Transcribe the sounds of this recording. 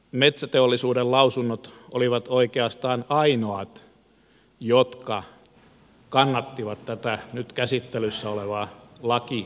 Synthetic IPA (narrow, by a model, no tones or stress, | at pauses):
met̪sæt̪eolːisuːdellɑusunːot̪oliʋɑt̪oikeɑst̪ɑːnɑinoɑt̪ | jot̪kɑ | kɑnːɑt̪ːiʋɑt̪t̪æt̪ænyt̪kæsit̪ːelysːæoleʋɑlɑki